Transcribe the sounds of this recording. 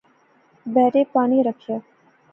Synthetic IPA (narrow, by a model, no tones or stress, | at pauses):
bɛːɾepaːɳ̃iɾəkʃə